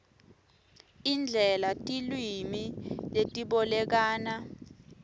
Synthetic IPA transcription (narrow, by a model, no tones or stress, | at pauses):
ind͡ɮʱɛlatʼilwimiletʼiɓɔlɛk̬aːna